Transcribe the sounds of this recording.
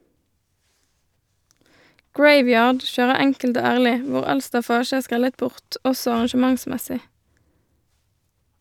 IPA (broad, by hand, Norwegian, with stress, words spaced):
ˈɡɹeɪˌʋjɑːɖ ˈʃøːʁə ˈɛŋkəlt ˈoː ˈæʁlɪ ˈʋʊʁ ˈɑl stɑˈfɑːʃ ˈæːʁ ˈskʁɛlət ˈbʊʁt ˈɔsɔ ɑʁɑnʃəˈmɑŋˌsmɛsɪ